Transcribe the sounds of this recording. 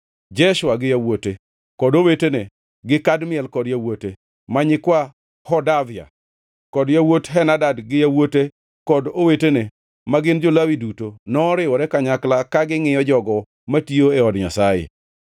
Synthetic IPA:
d͡ʒɛʃwaɡɪjawote | kɔdowetene | ɡɪkadmɪɛlkɔdjawote | maɲɪkwa | hɔdavɪa̰ | kɔdjawotɦɛnadadɡɪjawote | kɔdowetene | maɡɪnd͡ʒolawidutonɔːɾɪwɔɾɛkaɲaklakaɡɪŋɪjɔd͡ʒɔɡɔ | matioeɔdɲa̰sajḛ

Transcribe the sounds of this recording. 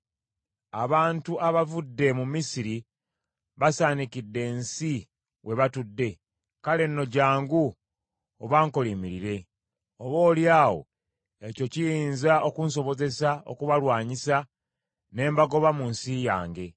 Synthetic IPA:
aβaːntuʔaβavudːe̞mumisiɾi | βasaːnikidːe̞ːnsi | we̞βatudːe̞ | kale̞nːo̞ɟaːŋɡu | oβaːŋko̞limiɾiɾe̞ | oβo̞ːljaːwo̞̰ | e̞co̞cijiːnzaʔo̞kuns̬o̞βo̞ze̞sao̞̰kuβalwaːɲisa | ne̞ːmbaɡo̞βamunsijaːŋɡe̞

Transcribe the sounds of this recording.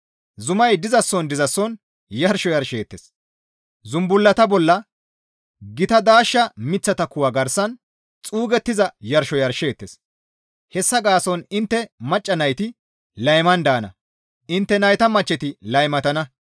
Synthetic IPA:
zʊmɐjd̪ɪzɐsːɔnd̪ɪzɐsːɔn | jɐɾʃɔjɐɾʃe̞ːt̪ːes | zʊmbʊlːɐt̪ɐbɔlːɐ | ɡɪt̪ɐd̪aːʃːɐmɪt͡sːɐt̪ɐkʊwɐɡɐɾsɐn | t͡sʼuːɡɛt̪ːɪzɐjɐɾʃɔjɐɾʃe̞ːt̪ːes | hɛsːɐɡaːsɔnɪnt̪ːɛmɐt͡ʃʼːɐnɐjt̪ɪ | lɐjmɐnd̪aːnɐ̰ | ʔɪnt̪ːɛnɐjt̪ɐmɐt͡ʃːɛt̪ɪlɐjmɐt̪ɐnɐ

